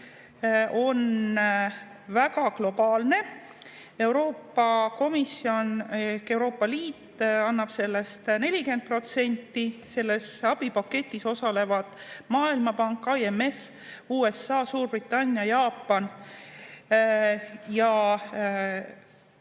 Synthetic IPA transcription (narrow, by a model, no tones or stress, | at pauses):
ʔo̞n | vækɑklo̞b̥ɑːlne̞ | e̞wɾo̞ːpːɑko̞misːio̞nekːe̞wɾo̞ːpːˑɑliːt̪ːˑɑnːɑb̥se̞lːe̞st̪ne̞lʲike̞nd̪̥̚pro̞t̪se̞nʲt̪ːise̞lːe̞sɑb̥ipɑkːe̞t̪ʲːˑiso̞sɑle̞vɑd̪̥mɑːilmɑpɑŋkːˑɑieme̞f | uːe̞sːɑːsuːrbrit̪ːˑɑnʲːjɑjɑːpːɑn | jɑ